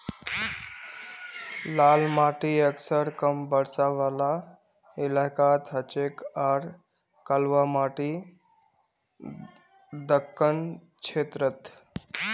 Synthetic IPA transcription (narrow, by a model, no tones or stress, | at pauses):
laːlmaːʈiəksəɾkəmbəɽsaʋala | ɪlakat̪ɦət͡ʃekaːɾ | kəlʋamaːʈi | d̪əkːən | t͡ʃʰeːt̪ɾət̪